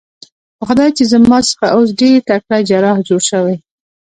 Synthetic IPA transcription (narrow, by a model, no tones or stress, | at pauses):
pəxʊd̪ɑjt͡ʃezəmɑsə̥xaʔos̬ɖeɾt̪akɽad͡ʒaɾɑhd͡ʒoɽʃəwaj